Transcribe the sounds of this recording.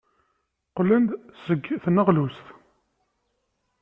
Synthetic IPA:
qlːænd̪səɡːθnːəʁlusθ

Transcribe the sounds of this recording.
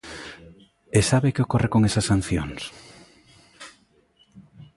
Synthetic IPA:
esaβekɪokorekoŋesɐsan̟θjo̰ŋs

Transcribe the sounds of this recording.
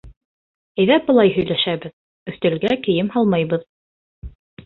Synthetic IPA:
æ̆jðæp̚bɤlˠɑjɦɵ̆jlæʃæβɘð | ɵ̆θt̪ɘ̆lɡækɘ̆jɘmhɑlˠmɑjβɤð

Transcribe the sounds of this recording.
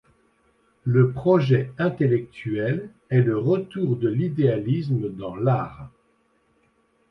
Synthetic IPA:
ləpχɔʒɛɛ̃t̪elɛk̚t̪yɛl | ɛləʁət̪uʁd̪əlid̪ealisməd̪ɑ̃laːʁ

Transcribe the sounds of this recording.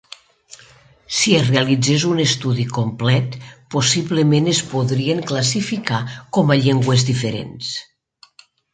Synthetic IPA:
sierealid͡zezunest̪uðikomplɛt̪posiβlemenespoðɾieŋklasifikakɔmaʎeŋɡwezðifeɾḛns

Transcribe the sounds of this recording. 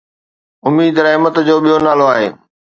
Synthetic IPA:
ʊmiːd̪ɾɐɦɪmət̪d͡ʑoːɓijonaːloaːɦeː

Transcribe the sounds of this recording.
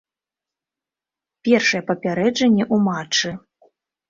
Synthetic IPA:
pʲɛrʂɐjɛpɐpʲaɾɛd͡ʐɐnʲːɛʔumat͡ʂːɨ

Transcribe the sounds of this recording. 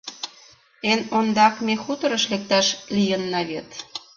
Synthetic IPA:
enond̪ɑkmʲexut̪ɤ̆ɾəʃlek̚t̪ɑʃlʲijənːɑβet̪

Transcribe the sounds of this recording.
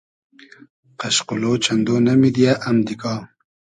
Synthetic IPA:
qaʃqʊlot͡ʃand̪onamid̪jaʔamd̪ikɑ

